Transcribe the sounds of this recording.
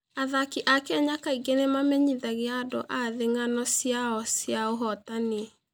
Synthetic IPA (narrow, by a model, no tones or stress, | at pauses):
aðakiʔakɛɲakaiɡenemamɛɲiðaɣeado̰ʔaðeŋanɔsjaɔsjaoɦɔtane